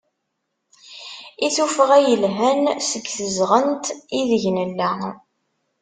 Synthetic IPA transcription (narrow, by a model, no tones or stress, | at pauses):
iθufəʁæjəlɦænsəɡθəzʁənt̪iðəʝnəlːæ